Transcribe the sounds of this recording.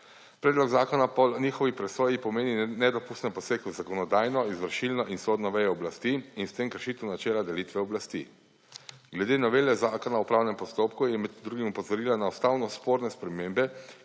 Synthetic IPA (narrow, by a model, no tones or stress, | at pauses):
pɾɛːd̪lɔɡzaːkɔnapɔlniːxɔʋipɾɛsoːjipɔmeːninɛd̪ɔpuːst̪nɛmpɔseːkuzakɔnɔd̪aːjnɔizʋəɾʃilnɔʔinsod̪nɔʋɛjɔɔblast̪iinst̪emkəɾʃiːt̪wnat͡ʃɛːlad̪ɛlit̪ʋɛɔblast̪ḭ | ɡlɛd̪eːnɔʋeːlɛzakɔnaupɾaːwnɛmpɔst̪oːpkujɛmɛd̪d̪ɾuɡimɔpɔzɔɾiːlanaɔst̪awnɔspoːɾnɛspɾɛmeːmbɛ